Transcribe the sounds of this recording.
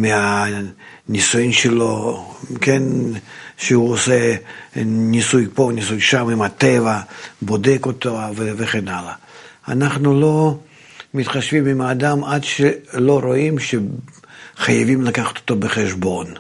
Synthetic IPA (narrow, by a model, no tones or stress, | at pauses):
mʲɪa | nʲisujimʃeloken | ʃeuose | nʲisujponʲisujʃamimat̪evɐbod̪ekot̪oveveχenalɐ | anaχnulo̞ | mʲit̪χaʃvʲimimaːd̪amad̪ʃelo̞ɾoimʃe | χajavʲimlakaχɐ̥t̪o̥t̪obəχeʃbo̞n